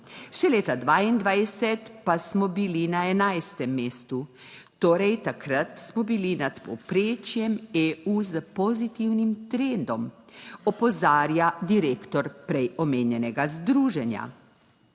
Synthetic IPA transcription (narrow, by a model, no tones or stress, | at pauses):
ʃɛleːt̪ad̪ʋaːind̪ʋajsɛt̪pasmɔbilinaɛnajst̪ɛmːeːst̪u | t̪oːɾɛjt̪akɾat̪smɔbilinat̪pɔ̰pɾeːt͡ʃjɛmeːuzəpɔzit̪iwnimt̪ɾend̪ɔmɔpɔzaːɾjad̪iɾeːkt̪ɔɾpɾɛjɔmeːnjɛnɛɡazd̪ɾuːʒɛnja̰